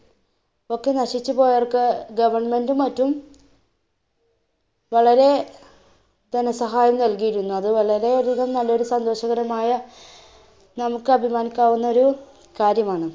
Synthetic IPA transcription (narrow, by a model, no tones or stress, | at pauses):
o̞kːe̞nɐɕit͡ɕːupo̞ːjɐrkːɨɡɐʋɐrɳme̞ndumɐtːum | ʋɐɭɐɾe̞ | d̪inɐsɐɦaːjɐmnɐlkijiɾunːuɐðɨʋɐɭɐɾe̞oɾuðɐmnɐlːɐo̞ɾusɐnd̪o̞ːɕɐɣɐɾɐmaːjɐ | nɐmukːɨɐbʱimaːnikʲːaːʋunːɐo̞ɾu | kaːɾjɐmaːɳɨ